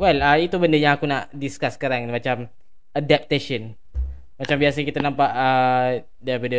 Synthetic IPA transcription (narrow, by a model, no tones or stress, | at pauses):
wɛlait̪ubəndəjãŋakunaʔdiskasːə̥kaɾaŋmat͡ʃam | adɛp̚t̪eʃən | mat͡ʃambiasəkit̪anãmpaʔə | dabəndə